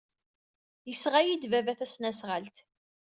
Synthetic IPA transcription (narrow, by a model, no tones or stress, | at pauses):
jəsʁajid̪vævæθæsnæsʁəlt̪